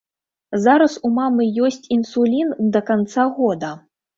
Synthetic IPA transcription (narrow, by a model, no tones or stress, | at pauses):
zaɾɐsumamɨjɔsʲt͡sʲinsulʲind̪ɐkant̪saɣɔd̪ɐ